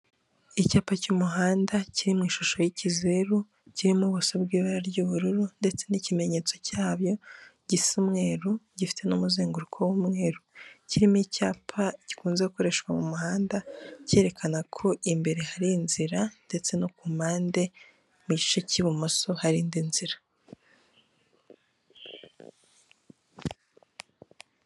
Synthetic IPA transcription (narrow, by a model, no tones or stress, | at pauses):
icaːpacumuɦaːndaciɾimŋiːʃuʃo̞jicizeɾu | ciɾimuβusobɡiːβaɾaɾɟuβuɾuɾunde̞t͡se̞nicime̞ɲe̞ːt͡so̞caːβjo̞ɟisimŋe̞ːɾuɟifi̥te̞numuzeːŋɡuɾukʰowumŋe̞ːɾuciɾimuicaːpʰaɟ̥i̥kuːnze̞uko̞ɾe̞ʃwamumuhaːndace̞ːɾe̞kʰanakʰo̞ʔimbe̞ɾe̞haɾiːnziɾande̞t͡se̞nokumaːnde̞ | muɟit͡ʃeciβumoso̞haɾiːndinziɾḁ